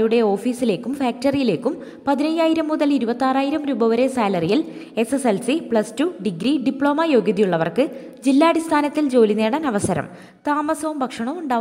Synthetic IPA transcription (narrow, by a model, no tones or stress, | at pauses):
juɽe̞o̞ːfiːsile̞ːkːumfaːk̚ʈɐrijile̞ːkːum | pɐðinɐjaːjiɾɐmːuðɐliɾubɐt̪ːaːraːjiɾɐmɾuːbɐʋɐɾe̞saːlɐrijil | e̞seselsipɭɐstuɖiɡɾiɖipɭo̞ːmɐjo̞ːɡjɐðijuɭːɐʋɐrkɨ | d͡ʑilːaːɐɽist̪ʰaːnɐt̪ːild͡ʑo̞ːlineːɽɐnɐʋɐsɐɾɐ̰m | t̪aːmɐsɐʋumbʱɐkʂɐɳɐʋuɳɖaː